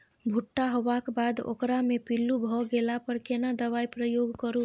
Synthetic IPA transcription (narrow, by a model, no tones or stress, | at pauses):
bʱuʈːaɦobakbad̪o̰kɾamepilːubʱɔɡelapəɾkenad̪əβaipɾəjoɡkəɾu